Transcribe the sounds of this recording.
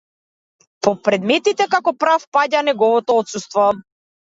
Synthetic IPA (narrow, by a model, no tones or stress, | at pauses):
pɔpɾɛd̪mɛt̪it̪ɛkakɔpɾafpaɟanɛɡɔvɔt̪ɔɔt̪sust̪vɔ